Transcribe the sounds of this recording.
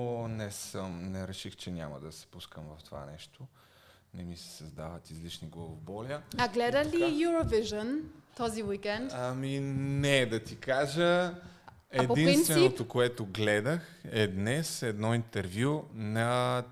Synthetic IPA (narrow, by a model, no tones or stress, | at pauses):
onɛsəmnɛɾɛʃixt͡ʃɛnʲa̰məd̪ɐsɛ̥puskəmvɐft̪ova̰nɛʃt̪o | nɛmisɛ̥sɐzd̪avət̪izlit͡ʃniɡlˠovobɔlʲəaɡlɛd̪ɐlijuɾoviʒənt̪ɔziwikɛnt̪aminɛd̪ɐt̪ikaʒə | ɛpoinint̪vsɛnot̪okoɛt̪oɡlɛd̪əxɛd̪nɛsɛd̪nɔint̪ɛɾvjunɐ